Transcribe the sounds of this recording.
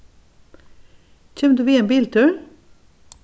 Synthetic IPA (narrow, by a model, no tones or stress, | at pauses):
c͡çʰɛːmd̪ʉːʋiːeːnbiːlt̪ʰʉːɹ